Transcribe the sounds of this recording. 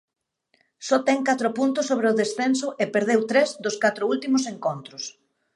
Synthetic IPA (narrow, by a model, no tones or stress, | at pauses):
sɔt̪ɛŋkat̪ɾʊpunt̪ʊsːoβɾeʊðesθensʊʔepeɾð̞ewt̪ɾɛzd̪oskat̪ɾʊult̪imʊseŋkont̪ɾʊs